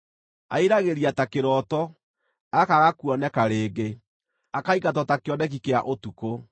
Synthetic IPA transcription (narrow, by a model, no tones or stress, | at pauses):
a̰iɾaɣeɾiatakeɾɔːtɔ | akaɣakuɔnɛkaɾeːɡe | akaikatɔtakeɔnɛk̬ikeaʔotuko